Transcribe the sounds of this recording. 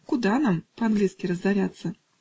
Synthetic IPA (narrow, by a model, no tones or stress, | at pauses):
kud̪anampɐanɡlʲiskʲiɾɐzd̪avʲat̪sːɐ